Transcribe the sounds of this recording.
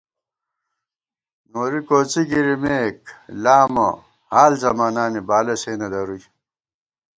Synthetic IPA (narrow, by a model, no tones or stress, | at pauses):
noːɾikoːt͡siɡiɾimeːklaːmɐ̰ | haːlzɐmaːnaːnibaːlɐseːnɐlɐɾuj